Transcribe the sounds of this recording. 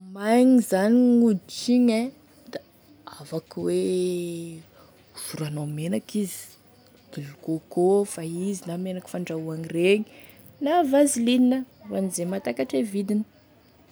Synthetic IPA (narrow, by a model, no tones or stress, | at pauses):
majɲizaniŋud̪it͡ʃiɲe | d̪̥a | avakwe | uz̥uɾanamenakizi̥ | d̪̥ilukokofaizinamenaki̥faɳɖ͡ʐauaŋireɲi | navazilininə | vanizemat̪akaʈ͡ʂevid̪inə̥